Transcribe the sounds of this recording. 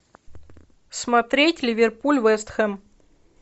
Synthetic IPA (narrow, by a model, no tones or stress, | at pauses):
smɐt̪ɾʲetʲlʲɪvʲɪrpulʲvɛst̪xɛm